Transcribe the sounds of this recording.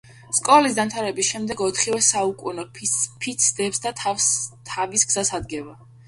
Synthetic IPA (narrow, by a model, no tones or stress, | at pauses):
skʼɔlis̬d̪amt̪ʰaɾɛbisʃɛmd̪ɛɡɔt̪ʰχivɛsaukʼunɔpʰit̪sʰd̪ɛpsd̪at̪ʰast̪ʰavisɡz̥asad̪ɡɛva